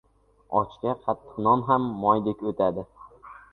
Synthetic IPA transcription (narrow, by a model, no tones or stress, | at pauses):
ɒ̰t͡ʃk̪ʲaqʰat̪ːɨ̥qnɒnɦamːɒjd̪ekʲot̪ʰad̪ɪ